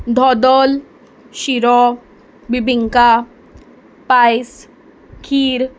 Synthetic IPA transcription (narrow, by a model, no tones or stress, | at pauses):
d̪ʱɔd̪ɔl | ʃiɾɔ | bibʱiŋka | pajs | kʰiːɾ